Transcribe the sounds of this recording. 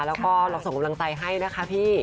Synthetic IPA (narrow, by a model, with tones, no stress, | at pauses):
lɛː˦˥wkɔː˥˩lɔː˧˩ŋso˨˩˦kmla˧ŋt͡ɕa˧jɦa˥˩jna˦˥kʰa˦˥pʰiː˥˩